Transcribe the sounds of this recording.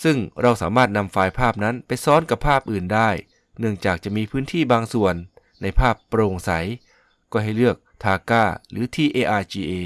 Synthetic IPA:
sɯ˥˩ŋɾa˧wsa̰ː˩˦maː˥˩t̪̚na˧mfaː˧jpʰaː˥˩p̚na˦˥npa˧jsɔː˦˥nka˨˩pʰːaː˥˩p̚ʔɯː˨˩ndaː˥˩j | nɯ˥˩əŋt͡ɕaː˨˩k̚t͡ɕa˨˩ʔmiː˧pʰɯː˦˥nt̪ʰiː˥˩baː˧ŋsu˨˩ənː | a˧jpʰaː˥˩pːɾoː˧ŋsa̰˩˦j | kɔː˥˩ɦa˥˩jlɯ˥˩ək̚t̪ʰaː˧kaː˥˩ɾɯː˩˦t̪ʰiː˧ʔeː˧ʔaː˧t͡ɕiː˧ʔeː˧

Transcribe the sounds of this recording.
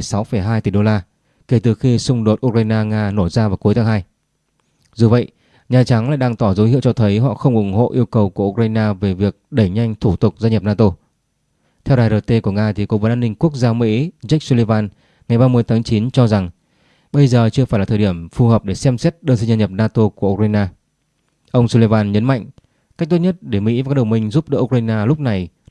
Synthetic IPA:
sa˨˦wfə˧˩jɦaː˧jt̪i˧˩ɗo˧laː˧ | ke˧˩t̪ɨ˨˩xi˧sʊ˧ŋ͡mɗo˨˩t̚ʔu˧k̚waː˧jnaː˧ŋaː˧no˧˩zaː˧vaː˨˩wku˨˦jt̪ʰa˨˦ɦaː˧j | zu˨˩və̰˧˨jʔ | ɲaː˨˩t͡ɕa˨˦ŋla̰ː˧˨jɗaː˧ŋt̪ɔ˧˩zə˨˦jhḭ˧˨əwt͡ɕɔ˧t̪ʰə˨˦jɦɔ̰˧˨xə˧wŋ͡mʔʊ˨˩ŋŋ͡mho̰˧˨ʔi˧əwkə˨˩wku˧˩əʔu˧k̚waː˧jnaː˧ve˨˩vi˨˩ək̚ɗə˧˩jɲa˧jŋ̟t̪ʰu˧˩t̪ʊ˨˩k͡p̚zaː˧ɲə˨˩p̚naː˧t̪o˧ | t̪ʰɛ˧wɗaː˧jzəː˧t̪e˧ku˧˩əŋaː˧t̪ʰi˨˩ko˨˦vəː˨˦nʔaː˧ni˧ŋ̟ku˦˥ək̚zaː˧mḭ˧˥za˦˥k̚su˧le˧vaː˧n | ŋa˨˩jɓaː˧mɨ˧əjt̪ʰaː˨˦ŋt͡ɕi˨˦nt͡ɕɔ˧za˨˩ŋ | ɓə˧jzəː˨˩t͡ɕɨ˧faː˧˩jlaː˨˩t̪ʰːɗi˧˩əmfu˨˩həː˨˩p̚ɗe˧˩sɛ˧msɛ˦˥t̚ɗəː˧nsi˧ŋza˧ɲə˨˩p̚naː˧t̪o˧ku˧˩əʔu˧k̚aː˧jnaː˧ | ʔə˧wŋ͡msu˧le˧vaː˧nɲə˨˦nma̰˧˨jŋ | ka˦˥k̚t̪u˦˥ɲə˦˥t̚ɗe˧˩mḭ˧˥va˨˩ka˦˥ɗə˨˩wŋ͡mmï˧ŋ̟zu˦˥p̚ɗə̰˧˦˥ʔu˧k̚aː˧jnaː˧lʊ˦˥p̚na˨˩j

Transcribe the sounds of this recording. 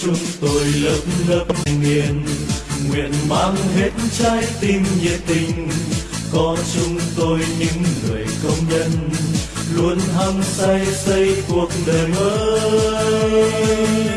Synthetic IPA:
t͡ɕʊ˧ŋ͡mt̪o˧jləː˦˥p̚mləː˦˥p̚ŋi˧˩ənŋwḭ˧˨ənmaː˧˥ŋɦe˦˥t̚nt͡ɕaː˧˦jt̪i˧˩mzḭ˨˩t̪ï˧ŋ̟ | kɔ˨˦t͡ɕʊ˧ŋ͡mt̪o˧jɲɨ̰˧˥ŋŋɨ̰˨˩əjkə˧wŋ͡mɲə˧n | lu˧ənɦa˧ŋsa˧jsə˧jku˨˩ək̚ɗe˨˩mʔəː˧˦

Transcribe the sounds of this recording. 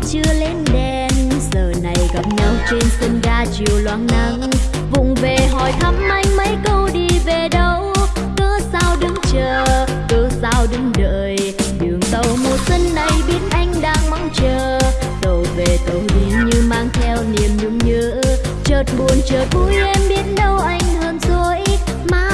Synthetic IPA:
t͡ɕɨ˧əle˧nɗɛ˧nsəː˨˩na˨˩jɣa˨˩p̚ɲa˧wt͡ɕe˧nsə˧nɣaː˧t͡ɕi˨˩əwlwa̰ː˧˨˩nna˧˩ŋ | vʊ̰˧˨ŋ͡mve˨˩ɦɔ˧˨˩jt̪ʰə˨˦˥m̚ma˧˦jmə˨˦jkə˧wɗi˧˩ve˨˩ɗə˨˧˩w | kəː˧saː˧wɗɨ˨˦ŋt͡ɕəː˨˩ | kəː˧˩zaː˧wɗɨ˨˦ŋɗə̰ː˧˨j | ɗɨ˨˩əŋɗ̪ə˨˩wmo˨˩t̚sə˧nːə˨˩jɓi˧˦ənʔa˧jŋ̟ɗaː˧ŋma˧ŋt͡ɕəː˧˩ | t̪ə˨˩wve˨˩t̪ə˨˩wɗi˨˩nɲɨ˧maː˧ŋt̪ʰɛ˧wni˨˩əmzʊ˨˧˦ŋ͡mɲə˧˦ | t͡ɕəː˨˩t̚ɓu˨˩ənt͡ɕəː˨˩t̚vu˧˦jʔɛ˧mɓi˨˦˥ənɗə˧wʔa˧jŋ̟həː˧nzo˨˧˦j | maː˧˩

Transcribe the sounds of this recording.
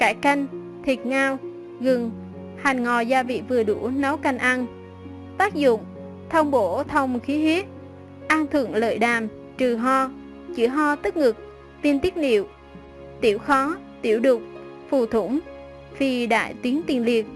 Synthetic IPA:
kaː˧˩jka˧jŋ̟ | t̪ʰi˨˩t̚ŋaː˧w | ɣɨ˨˩ŋ | ha˨˩jŋ̟ŋɔ˨˩zaː˧vḭ˧˨vɨ˨˩əɗṵ˧˩na˨˦wka˧jŋ̟ʔa˧n | t̪aː˦˥k̚zʊ̰˧˨ŋ͡m | t̪ʰə˧wŋ͡mɓo˧˩t̪ʰə˧wŋ͡mxi˨˦ɦi˦˥ət̚ | ʔaː˧nt̪ʰɨ̰˧˩əŋlə̰ː˧˨jɗaː˨˩m | t͡ɕɨ˨˩ɦɔ˧ | t͡ɕɨ̰˧˩əɦɔ˧t̪ɨ˦˥k̚ŋɨ˨˩k̚ | t̪i˧nt̪i˦˥ət̚nḭ˧˨əw | t̪i˧˩əwxɔ˨˦ | t̪i˧˩əwɗʊ˨˩k͡p̚ | fu˧˩t̪ʰʊ˧˩ŋ͡m | fi˨˩ɗa̰ː˧˨jt̪wi˨˦ənt̪i˨˩ənli˨˩ət̚

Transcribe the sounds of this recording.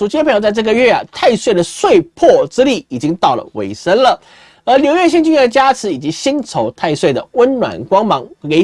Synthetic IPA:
u˨˩t͡ɕʰi˥pʰjo˧t͡sʈ͡ʂɤ˥˩ɡə˧ɥɛ˥˩ɐ̰˩t̪ʰa˥˧ɪswe˥˩ɪd̪ə˩swe˥˧ɪpʰɔ˥˩ʈ͡ʂɻ̩˥li˥˩i˨˩t͡ɕi˦˥ŋt̪ɑ˥˩ʊlə̰˩wʔḛ˧˥ɪʂə˥nlə˨ | ə˧˥ljo˧ʊɥɛ˥˧ɕ̬i˥˧nt͡ɕy˥˧ɛ˥˩˧t͡ɕja˥t͡sʰɻ̩˧˥i˨˩t͡ɕi˧˥ɕi˥ŋt͡sʰo˧˥ʊt̪ʰa˥˧ɪswe˥˩ɪd̪ə˩wə˥nnwa̰˨˩nkwɑ˥ŋmɑ˧˥ŋke˧˥ɪ

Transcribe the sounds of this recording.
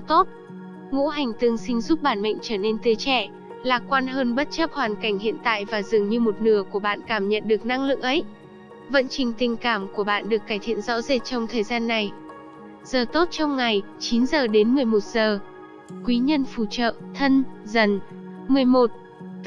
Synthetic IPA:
t̪o˦˥t̚ | ŋṵ˧˥ɦa˨˩jŋ̟t̪ɨ˧əŋsï˧ŋ̟zu˦˥p̚ɓaː˧˩nmə̰˧˨jŋ̟t͡ɕəː˧˩ne˧nt̪i˧ət͡ɕɛ˧˩ | laː˨˩kwaː˧nɦəː˧nɓə˦˥t̚t͡ɕə˦˥p̚hwaː˨˩nka˧˩jŋ̟hḭ˧˨ənt̪a̰ː˧˨jvaː˨˩zɨ˨˩ŋɲɨ˧mo˨˩t̚nɨ˧˩əku˧˩əɓa̰ː˧˨nkaː˧˩mɲə̰˧˨nɗɨ˨˩ək̚na˧ŋlɨ̰˧˨əŋʔə˨˦j | və̰˧˨nt͡ɕï˨˩ŋ̟t̪ï˨˩ŋ̟kaː˧˩mku˧˩əɓa̰ː˧˨nɗɨ˨˩əkːaː˧˩jt̪ʰḭ˧˨ənzɔ̰˧˥ze˨˩t̚t͡ɕɔ˧wŋ͡mt̪ʰəː˨˩jzaː˧nːa˨˩j | z̥əː˨˩t̪o˦˥t̚t͡ɕɔ˧wŋ͡mŋa˨˩jt͡ɕi˨˦nzəː˨˩ɗe˨˦nmɨ˨˩əjmo˨˩t̚z̥əː˨˩ | kwi˨˦ɲə˧nfu˧˩t͡ɕə̰ː˧˨t̪ʰə˧nzə˨˩n | mɨ˨˩əjmo˨˩t̚

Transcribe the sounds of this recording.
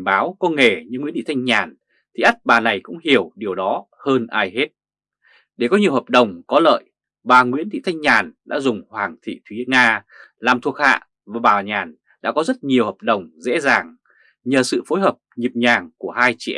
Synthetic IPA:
ɓaː˨˦wkɔ˧nŋe˧˩ɲɨ˧ŋwi˧˥nt̪ḭ˧˨t̪ʰa˧ŋ̟ɲaː˨˩n | t̪ʰi˨˩ʔa˦˥t̚ɓaː˨˩na˨˩jkʊ̰˧˥ŋ͡mhi˧˩əwɗi˨˩əwɗɔ˨˦ | həː˧nʔaː˧jhe˦˥t̚ | ɗe˧˩kɔ˨˦ɲi˨˩əwɦəː˨˩p̚ɗə˨˩wŋ͡mkɔ˨˦lə̰ː˧˨j | ɓaː˨˩ŋwḭ˧˥nt̪ḭ˧˨t̪ʰa˧jŋ̟ɲaː˨˩nɗa̰ː˧˥zʊ˨˩ŋ͡mhwaː˨˩ŋt̪ʰḭ˧˨t̪ʰwi˨˦ŋaː˧ | laː˨˩mt̪ʰu˨˩ək̚ha̰ː˧˨ | vaː˨˩ɓaː˨˩ɲaː˨˩n | ɗa̰ː˧˥kɔ˨˦zə˦˥t̚ɲi˨˩əwhəː˨˩p̚ɗə˨˩wŋ͡mzḛ˧˥zaː˨˩ŋ | ɲəː˨˩sɨ̰˧˨fo˨˦jɦəː˨˩p̚ɲi˨˩p̚ɲaː˨˩ŋku˧˩əhaː˧jt͡ɕḭ˧˨ʔ

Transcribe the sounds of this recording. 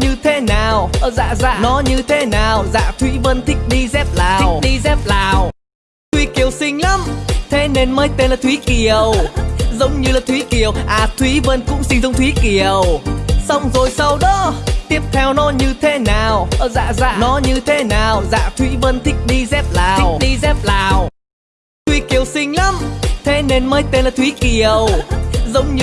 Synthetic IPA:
ɲɨ˧t̪ʰe˨˦naː˨˩wʔəː˧˩za̰ː˧˨za̰ː˧˩nɔ˨˦ɲɨ˧t̪ʰe˨˦naː˨˩wza̰ː˧˨t̪ʰwi˨˦və˧nt̪ʰï˦˥k̟̚ɗi˧zɛ˦˥p̚laː˨˩w̚ɗi˧zɛ˦˥p̚laː˨˩w | t̪ʰwi˨˦ki˨˩əwsï˧ŋ̟la˨˦mt̪ʰe˨˦ne˧nməː˨˦jt̪e˧nlaː˨˩t̪wi˨˦ki˨˩əwzə˨˦wŋ͡mɲɨ˧laː˨˩t̪ʰwi˨˦ki˨˩əwʔaː˨˩t̪ʰwi˨˦və˧nkʊ̰˧˥ŋ͡msi˧ŋ̟zʊ˧wŋ͡mt̪ʰwi˨˦ki˨˩əwsa˧wŋ͡mzo˨˩jsa˧wɗɔ˨˦t̪i˦˥əp̚t̪ʰɛ˧wnɔ˨˦ɲɨ˧t̪ʰe˨˦naː˨˩wʔəː˧˩za̰ː˧˨za̰ː˧˨˩nɔ˨˦ɲɨ˧t̪ʰe˨˦naː˨˩wza̰ː˧˨t̪ʰwi˨˦və˧nt̪ʰï˦˥k̟̚ɗi˧zɛ˦˥p̚laː˨˩wk̚ɗi˧zɛ˦˥p̚laː˨˩w | t̪ʰwi˨˦ki˨˩əwsï˧ŋ̟la˨˦˥mt̪ʰe˨˦ne˧nməː˧˦jt̪e˧nlaː˨˩t̪wi˨˦ki˨˩əwzə˨˦wŋ͡mɲɨ˧

